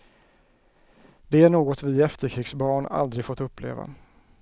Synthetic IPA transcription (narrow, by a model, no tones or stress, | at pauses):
d̪ɛæɳoːɡɔt̪vɪɛft̪əɾkʰɾɪːɡsbɑːɳa̰ld̪ɾɪɡfoːt̪ɵpːlḛːva̰